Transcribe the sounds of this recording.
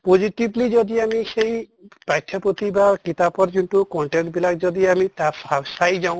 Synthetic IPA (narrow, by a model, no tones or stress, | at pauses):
poziʈiblizɔd̪iamisej | pajtʰjɔpot̪ibakit̪apɔɹzunʈukɔɳʈenʈ̚bilakzɔd̪iamitasasajzaʊ̃